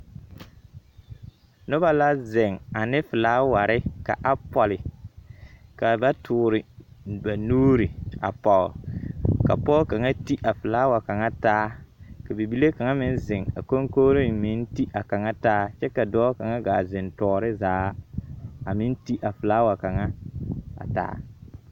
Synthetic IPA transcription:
nʊ˦ba˦la˦zɪ˨ŋa˨nɪ˦fɪ˨laː˦wa˨ɾɪ˦ka̰˨ʔa˦pɔ˨lɪ˨ | ka˨ba˦tʰʊː˨ɾɪ˨ba˨nuː˦ɾi˨a̰˨pɔ̰˨ka̰˨pɔ˦ka˨ŋa˦ti˦ʔa˨fɪ˨laː˦wa˨ka˨ŋa˦taː˦ka˨bi˨bi˦le˦ka˨ŋa˦mɪ˦n˦zɪ˨ŋa̰˨ko˦ŋko˦ɾɪ˦mɪ˦n˦ti˦ʔa˨ka˨ŋa˦taː˦t͡ʃɛ˦ka˨dɔː˦ka˨ŋa˦ɡaː˨zɪ˨ntɔː˨ɾɪ˦zaː˨˦ | a˨mɪ˦n˦ti˦ʔa˨fɪ˨laː˦wa˨ka˨ŋa˦a̰˨ta̰ː˦

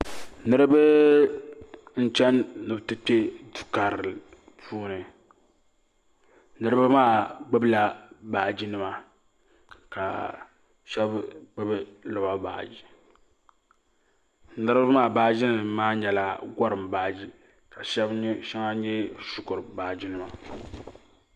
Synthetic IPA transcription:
nɨ˦ɾɨ˦bɨ˦ | n̩˦t͡ʃɛ˦nnɨ˨btɨ˦pe˦du˨ka˨ɾɨ˨ | pʰuː˦nɨ˨ | nɨ˦ɾɨ˦bɨ˦maː˦˨ɡ͡bɨ˦bla˨baː˨d͡ʒi˦nɨ˦ma˨ | ka̰˨ | ʃɛ˦bɡ͡bɨ˦bɨ˦lɔ˨ba˦ba̰ː˨ʔd͡ʒi˨ | nɨ˦ɾɨ˦ba˦maː˦˨baː˦d͡ʒi˦nɨ˨maː˦ɲɛ˨la˨ɡʷa˦ɾɨ˨mbaː˨d͡ʒi˦ | ka˨ʃɛ˦bʃɛ˦ŋa˦ɲɛ˦su˦kʊ˨ɾɨ˨baː˨d͡ʒi˦nɨ˦ma˨

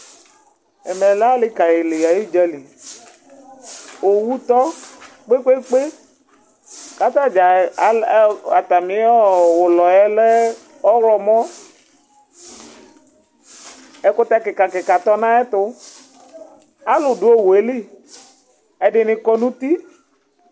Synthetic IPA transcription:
ɛ̰˨mɛ˨la˦lɪ˦ka˨jɪ˨lɪ˨a˨ji˦d͡ʒɛ˦li˨ | o˨wu˦t̪ɔ˦ | k͡pe˦k͡pe˦k͡pe˦ | ka˨t̪a˦d͡ʒa˨˦ | a˨t̪a˨mĩ˨˦ɔ˦wʊ˨lɔ˨jɛ˦lɛ˦ | ɔ˦ɾɔ˨mɔ̃˦ | ɛ˦kʊ˦t̪a˦kɪ˨ka˨kɪ˨ka˨t̪ɔ˦nã˦ɛ˦t̪ʊ˦ | a˦lʊ˨dʊ˨˦o˦we˨˦li˦˨ | ɛ˨ɖɪ˨nɪ̃˨kɔ˦nũ˦t̪i˦

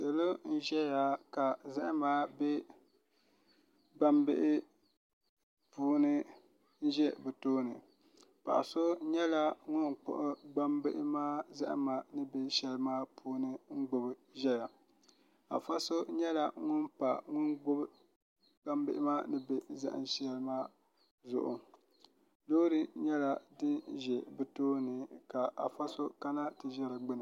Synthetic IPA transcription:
sɛ˨lo˦n̩˦ʒɛ˦ja˨ka˨za˦ʔɪ˦maː˦bɛ˦ | ba˦mbɪ˦ʔɪ˦ | puː˦nɨ˦ | n̩˦ʒɛ˦bɨ˨toː˦nɨ˨ | pa̰˨ʔa̰˨so˦ɲɛ˦la˦ŋʊ˦nk͡pʊ̰˨ʔʊ˦ɡ͡ba˦mbɪ˦ʔɪ˦maː˦za̰˦ʔɪ̰˦maː˨nɨ˦bɛ˦ʃɛ˦lɨ˦maː˦pʰuː˦nɨ˦ŋ̩˦ɡ͡bʊ˨bɨ˦ʒɛ˦ja˨ | a̰˨fa˦so˦ɲɛ˦la˨ŋʊ˦npa˨ŋʊ˦nɡ͡bʊ˦b | ɡ͡ba˦mbɪ˦ʔɪ˦maː˦nɨ˦be˦za̰˦ʔɨ̰˨nʃɛ˦lɨ˦maː˦ | zʊ̰˦˨ʔʊ̰˨ | loː˦ɾɨ˦ɲɛ˦la˦dɨ˦nʒɛ˨bɨ˨toː˦nɨ˨ka˨ʔa˨fa˦so˦ka˦na˦tɨ˨ʒɛ˦ɾɨ˨ɡ͡bɪ˦nɨ˨

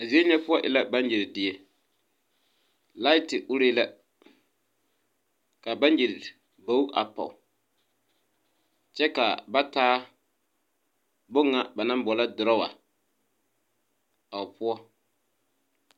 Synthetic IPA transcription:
a˨zi˦e˦ɲɛ˦pʊ˦ɔ˦ʔɪ˨la˦ba˦nji˨ɾɪ˨dɪ˨ɛ˨ | la˦ɪ˦tɪ˨ʔʊ˦ɾe˦la˦ | ka˨ba˦nji˨ɾɪ˨ | bo˨˦u˦ʔa̰˨pɔ̰˨ | t͡ʃɛ˦ka̰˨ba˦taː˦ | bʊ˦ŋːa˦ba˨na˦bɔ˨la˦dʊ˨ɾɔ˦wa̰˨ | a˨ʊ˨pʊ˦ɔ˦

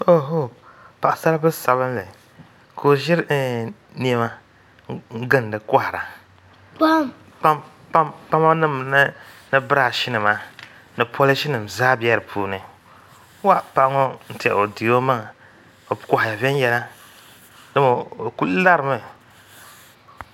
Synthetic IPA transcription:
o˦ɦo˦˨pa˨ʔa˨sa˦ɾa˦bɨ˦sa˨βɨ˦m˦lɛ˨ | kʰo˨ʒɪ˦ɾ | ni˦ɛ˦ma˦ | ŋ̩˦ɡɨ˦n˨dɨ˨ka˦hɾa˨ | pa˦ | pa˦m | pa˦mpa˦ma˦nɨ˦m˨n˦nɨ˦bɨ˦ɾa˨ʃi˦nɨ˨ma˨ | nɨ˨pɔ˦lɨ˦ʃi˦nɨ˨m˨zaː˦bɛ˦ɾɨ˨pʰuː˨nɨ˨˦ | wa˦pa˨ʔŋɔ˦n̩˦tḭ˨o˨di˨o˦ma˦ŋ˨ | o˨kɔ˨hja˨vɛ˦n˦jɛ˦la˦ | dɨ˦mo˨ku˦lla˦ɾɨ˨mɨ˦˨

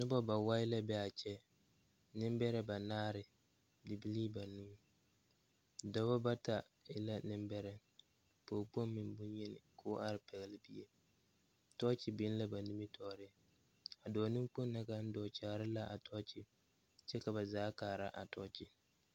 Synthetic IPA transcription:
nɪ˦bɔ˦ba˨wa˦ɪ˦la˦bɛ˦a˨t͡ʃɛ˦ | nɪ˦mbɛ˦ɾɛ˦ba˨naː˦ɾɪ˨ | dɪ˨bi˦liː˦ba˨nu˦m˦ | dɔ˦bɔ˦ba˦ta˨ | ɪ˦la˦nɪ˦mbɛ˦ɾɛ˦ | poː˨k͡po˦mː˦ɪ˨mbʊ˦nɲɛ˦nɪ̰˨kʰʊː˦ʔa˦ɾɪ˨pʰɛ˨ɣɛ˨lɪ˦bi˦e˦ | tɔ˦t͡ʃɪ˨bɪ˦n˦la˦ba˨nu˦mi˦tʰɔː˨ɾɪ˦ | a˨dɔː˨nu˦k͡po˦nː˦a˦ka˦n̩˦dɔː˨t͡ʃaː˨ɾɪ˦la˦ʔa˨tʰɔ˦t͡ʃɪ˦ | t͡ʃɛ˦ka˨ba˨zaː˨˦kaː˨ɾa˦ʔa̰˨tɔ̰˦t͡ʃɪ˦

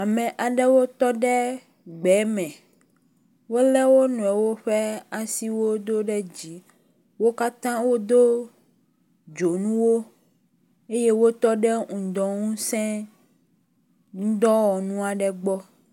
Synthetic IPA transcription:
a˨mɛ̃˨ʔa˨ɖɛ˦wo˦t̪ɔ˦ɖɛ˦ | ɡ͡bɛ˨˦mɛ̃˨ | wo˦lɛ˦wo˦nɔ̃˨ɛ˨wo˦ɸɛ˦a˨si˦wo˦d̪o˦ɖɛ˦d͡ʑi˦ | wo˦ka˦t̪ã˦wo˦d̪o˦ | d͡ʒo˨nũ˦wo˦ | e˦je˦wo˦t̪ɔ˦ɖɛ˦ŋũ˨d̪ɔ̃˨ŋũ˦sɛ̃˦ | ŋ̩̃˦d̪ɔ˦wɔ˨nũ˦a˨ɖɛ˦ɡ͡bɔ˦

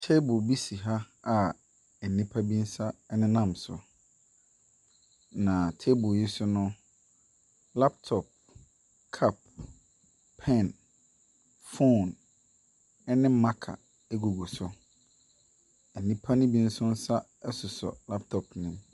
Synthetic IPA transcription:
tʰe˦bʊ˨bi˦si˨ɦa˦ | a˨ | ɛ˨nĩ˦pʰa˦bi˦n̩˦sa˦ɛ˦nɪ̃˦nã˦˨msʊ̰˨ | nã˨tʰe˦bʊ˨ji˦sʊ˦nʊ̃˦ | la˦p̚tʰɔ˨p̚ | kʰa˦p̚ | ɛ̃˦˨n | fõ˦˨n | ɛ˦nɪ̃˦mã˦kʰa̰˨ | ɛ˦ɡu˨ɡu˨sʊ˦ | ɛ˨nːĩ˦pʰa˦nɪ̃˦bi˦n̩˦sʊ˦n̩˦sa˦ | ɛ˦sʊ˨sɔ̰˨la˦p̚tʰɔ˨pnɪ̃˨m

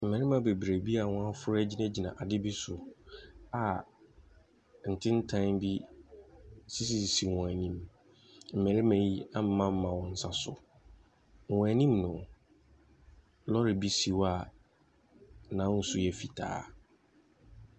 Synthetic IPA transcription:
m̩˨mɛ̃˨ɾɪ˦mã˨be˨bɾe˨bi˦a˨wɔ̃˦a˦fʊ˦ɾʊ˦æ˦d͡ʑi˦nɛ̃˦d͡ʑi˨nã˨ʔa˨dɪ˦bi˦sʊ˨ | a˨ | n̩˨tʰɪ̃˦n̩˦tʰã˦nbi˦ | si˦s̬i˨si˨wɔ̃˨æ˨nĩ˦m | m̩˨ɛ̃˨ɾɪ˦mæ̃˨ji˦a˦m̩˦mã˦m̩˦mã˨wɔ̃˨n̩˦sa˦sʊ˨ | wɔ̃˨æ˨nĩ˦mnʊ̃˨ | lɔ˦ɾɪ˨bi˦si˨wa˨˦ | nã˨˦n̩˦sʊ˦jɛ˨fi˨tʰa̰ː˦

